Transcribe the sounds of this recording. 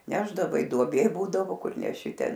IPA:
ˈnʲæːʒdɐʋɐɪ duɔˈbʲeː ˈbuːdɐʋoː ˈkʊr nʲɛˈʃʲɪ ˈtʲɛn

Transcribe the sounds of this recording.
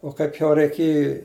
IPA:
oː ˈkɐɪp jɛʊ rʲɛɪˈkʲeːjɪ

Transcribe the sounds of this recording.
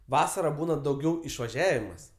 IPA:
ˈʋɑːsɐrɐ ˈbuːnɐ dɐʊˈɡʲɛʊ ɪʃʋɐˈʒʲæːʋʲɪmɐs

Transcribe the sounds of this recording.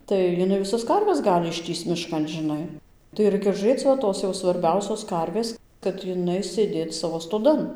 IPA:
tɐɪ jɪˈnɐɪ ʋʲɪˈsɐs ˈkɐrʲʋʲɛs ˈɡɑːlʲɪ ɪʃʲˈtʲiːst͡s mʲɪˈʃkɐn ʒʲɪˈnɐɪ tɐɪ ˈrɐɪkʲɛ ʒʊˈrʲeːt͡s ʋɐ ˈtoːs jɛʊ sʋɐrʲˈbʲɛʊsʲoːs ˈkɐrʲʋʲeːs kɐt ɪˈnɐɪ sʲeːˈdʲeːt ˈsɑːʋoː stoːˈdɐn

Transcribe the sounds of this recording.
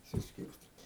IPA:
sʊˈsʲkʲɪrʲsʲtʲiːtʲɪ

